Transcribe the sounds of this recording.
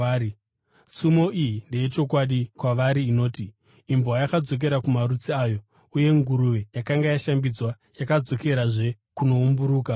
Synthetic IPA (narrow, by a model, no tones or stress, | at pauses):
sumo̞ʔijinde̞jet͡ʃo̞kwaɗikwaʋaɾiːno̞ːti | imboajakad͡zo̞k̬e̞ɾakumaɾut͡siaːjo̞ | uje̞ŋɡuɾuʋejakaŋɡajaʃambid͡zwa | jakad͡zo̞ke̞ɾaʐe̞ | kuno̞umbuɾuːka